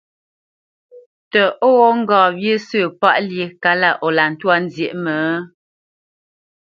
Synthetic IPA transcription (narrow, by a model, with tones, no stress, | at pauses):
tə˨ʔɔ˦wɔ˦ŋ̩˦ɡɔ̃ː˨bje˦sə˦˨pa˦ʔlje˨ka˦la˦˨ʔɔ˨la˨n̩˨twa˦n̩˦zje˨ʔmə˨˦